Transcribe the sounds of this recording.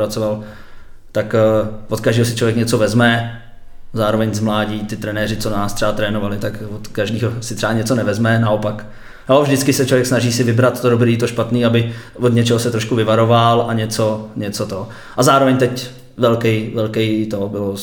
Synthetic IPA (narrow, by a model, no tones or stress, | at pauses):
ɾat͡soval | t̪akvokaʒdiːɦo̞s̬ɪ̥t͡ʃlovjɛkɲɛt͡so̞vɛzmɛ | zaːɾo̞vɛɲzmlaːɟiːt̪ɪt̪ɾɛnɛːɾɪtt͡sonaːst̪r̥ɛat̪ɾɛːnovalɪt̪akvot̪kaʒdiːɦosɪt̪r̥ɛaɲɛtt͡so̞nɛvɛzmɛnao̞pak | alɛvʒdɪtt͡skɪsɛt͡ʃlovjɛksnaʒiːsɪvɪbɾat̪t̪odobɾiːt̪oʃpat̪niːabɪ | vod̪ɲɛt͡ʃɛɦosɛt̪ɾoʃkuvɪvaɾo̞valʔaɲɛt͡soɲɛt͡sot̪o | ʔazaːɾovɛɲt̪ɛc | vɛlkɛjvɛlkɛjt̪obɪlo